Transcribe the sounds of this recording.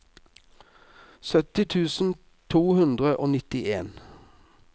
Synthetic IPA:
sœt̪ɪt̪ʰʉːsn̩ | t̪ʰuːhʉnd̪ʁəʔoːnɪt̪ɪʔeːn

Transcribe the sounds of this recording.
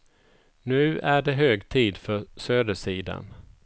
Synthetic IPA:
nʉ̟ːæɖɛɦøːɡt̪ʰiːd̪fœsøːd̪əʂiːd̪a̰n

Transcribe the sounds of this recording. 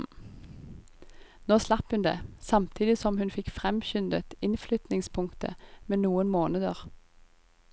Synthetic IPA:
noːslɑphʉnd̪ḛːsɑmt̪ʰiːd̪ɪsɔmhʉnfɪkfʁɛmçʏnd̪ət̪ɪnflʏt̪nɪŋspʰʊŋkt̪ə̰meːnuːənmoːnəd̪əʁ

